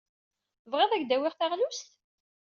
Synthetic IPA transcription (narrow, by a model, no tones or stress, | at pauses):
vʁeðˤæʝd̪æwɪʁθæʁnust̪